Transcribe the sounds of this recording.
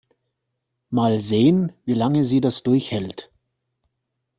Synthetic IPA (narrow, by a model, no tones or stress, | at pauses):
maːlzeːənviːlaŋəziːdasd̥ʊɐçhɛlt